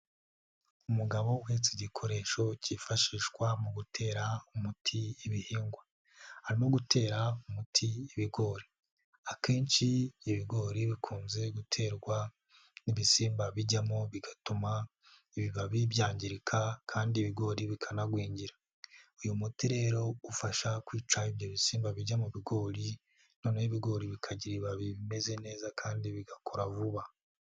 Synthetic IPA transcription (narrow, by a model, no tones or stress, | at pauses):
umuɡaβo̞wet͡siɟikʰo̞ɾe̞ʃo̞cifaʃiːʃkwamuɡutʰe̞ːɾaumutʰiiβihiːŋɡwa | haɾimo̞ɡutʰe̞ːɾaumutʰiːβiɡo̞ːɾi | akʰe̞ːnʃiːβiɡo̞ːɾiβikʰuːnze̞ɡutʰe̞ːɾɡwa | niβisiːmbaβiɟamoβiɡatuma | iβiβaβiβjaːɲɟiɾikʰakʰaːndiβiɡo̞ːɾiβikʰanaɡwiːɲɟiɾa | ujumutiɾe̞ːɾo̞ufaʃakwiːt͡ʃaiβjo̞βisiːmbaβiɟamuβiɡo̞ːɾi | no̞ːneβiɡo̞ːɾiβikʰaɟiɾiβaβiβime̞ze̞ne̞ːzakʰaːndiβiɡakʰoɾavuβa